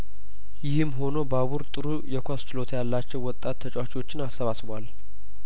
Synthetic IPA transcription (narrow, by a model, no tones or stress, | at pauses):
jɪhɨmːɦo̞no̞baβuɾt̪ʼɨɾujɛkʷast͡ʃɪlo̞t̪jalːat͡ʃːɛwːɔt̪ʼːat̪ʰːət͡ʃʼwat͡ʃiwo̞t͡ʃːɪnasːəβasβwal